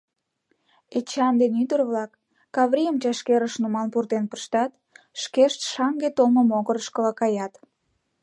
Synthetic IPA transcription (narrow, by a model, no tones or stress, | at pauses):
et͡ɕɑnd̪enyt̪ərβlɑkː | ɑβɾʲijəmt͡ɕɑʃkeɾəʃnumɑnpurt̪enpəʃt̪ɑt̪̚ | ʃkeʃt̪ʃɑŋɡet̪olməmoɣəɾəʃkəlɑkɑjɑt̪